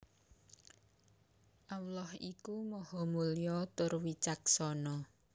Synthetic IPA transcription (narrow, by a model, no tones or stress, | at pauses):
ʔawlɔhikumɔhɔmulijɔt̪ʊrwit͡ʃak̚sɔnɔ